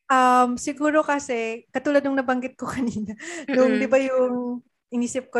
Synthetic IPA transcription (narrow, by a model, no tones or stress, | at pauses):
ʔɐmsɪɡuːɾo̞kɐsɛkɐt̪uːlɐd̪nʊŋnɐbɐŋɡɪt̪̚kokɐniːnɐnʊŋd̪ɪbajʊŋ | ʔɪniːsɪp̚ko